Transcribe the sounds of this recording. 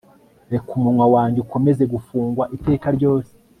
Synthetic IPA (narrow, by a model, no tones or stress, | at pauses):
ekumunŋwawaːɲɟeuko̞me̞ze̞ɡufuːŋɡwaʔite̞ːkaɾɟo̞ːse̥